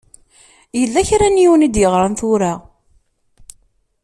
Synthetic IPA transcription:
jəlːæçɾænjiwnid̪jəʁɾˤanθʊɾa

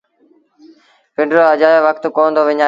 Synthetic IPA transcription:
pɪ̃ɳɖɾoːəd͡ʑaːjoːʋəkt̪koːnd̪oːʋɪɲaː

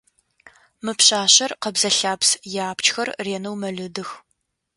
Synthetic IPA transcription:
mɨpɕaːɕɐrqɐbzɐɬaːpsjaːpʰt͡ʃxɐrreːnɐwmɐɮɨdɨx

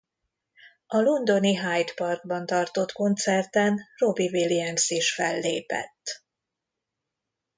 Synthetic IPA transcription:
ɒlond̪o̞niɦajt̪pɒrɡ̚bɒnt̪ɒrt̪o̞t̪ko̞nt̪sɛrt̪ɛnro̞biviliɛnsiʃfɛlːḛːpɛ̰t̪ː

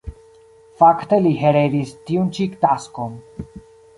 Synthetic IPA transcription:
fakt̪eliɦeɾed̪ist̪iunt͡ʃikt̪askon

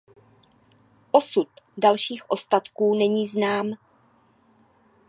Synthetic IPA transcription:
ʔosut̪dalʃiːxʔo̞st̪at̪kuːnɛɲiːznaːm

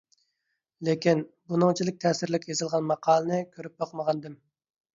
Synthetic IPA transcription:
lekʲinbunɨŋt͡ʃʰilɪk̚ʲt̪ʰɛːsɪɾlɪkʲjezɨlˠʁɑnmɑqʰɑːlˠənɨkʲʰøɾyp̚boqməʁɑnd̪ɨm

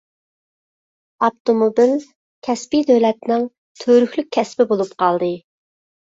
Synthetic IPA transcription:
ɑpt̪omobil | kʲʰɛspid̪øwlɛt̪nɪŋ | t̪ʰøɾykʲlyk̚ʲʰːɛspɪbolˠupqʰɑlˠd̪ɨ

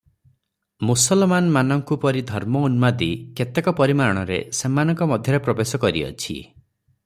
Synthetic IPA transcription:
musɔlmanɔmanɔŋkupɔɾid̪ʱɔɾmɔunmad̪iket̪ekɔpɔɾimaɾɔɽ̃ɔɾḛsemanɔŋkɔmɔd̪ʱjɔɾepɾɔbesɔkɔɾḭɔ̰t͡ʃʰḭ

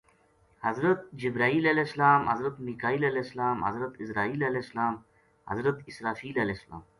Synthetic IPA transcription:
hɐzɾɐt̪̚d͡ʑibɾaːiːleleslaːmɐ̰zɾɐt̪nikaːiːlɐleslaːmɦɐ̰zɾɐt̪isɾaːiːleleslaːm | hɐ̰zɾɐt̪isɾaːfiːlɐlesla̰ːm

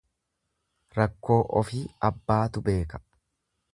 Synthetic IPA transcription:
ɾɐkːo̞ːʔɔfiːɐbːaːt̪ʊbe̞ːkɐ̥

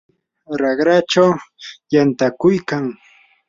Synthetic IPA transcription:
ɾɑɢɾaʈ͡ʂawjant̪akʊjkaŋ

